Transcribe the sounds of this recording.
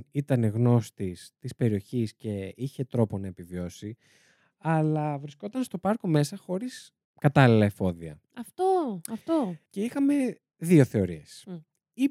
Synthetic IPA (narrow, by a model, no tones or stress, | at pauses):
it̪ɐneɣno̞st̪ist̪ispe̞ɾio̞çisce̞içe̞t̪ɾo̞po̞nɐepivio̞si | ɐlɐvɾisko̞t̪ɐnst̪o̞pɐɾko̞me̞sɐxo̞ɾis | kɐt̪ɐlilɐefo̞ðiɐ̰ | ɐft̪oɐft̪oce̞ixɐme̞ | ðio̞θe̞o̞ɾie̞s | i